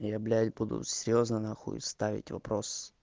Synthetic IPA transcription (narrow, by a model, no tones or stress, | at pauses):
jablʲatʲbud̪ʊ̰sʲɪɾʲjoznənaxṵst̪avʲɪ̰tʲvɐ̰pɾos